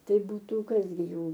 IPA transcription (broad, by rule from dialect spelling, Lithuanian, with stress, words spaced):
ˈtɐɪ ˈbuːtʊ ˈkɐs ɡʲɪ ˈjuː